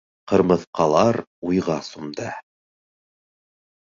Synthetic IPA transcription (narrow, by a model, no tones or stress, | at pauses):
qɤ̆ɾmɤ̆θqɑlˠɑɾujʁɑsumd̪ɑ